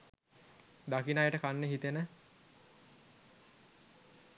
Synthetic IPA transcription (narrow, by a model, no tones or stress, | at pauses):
d̪akinajəʈəkanːeɦit̪enə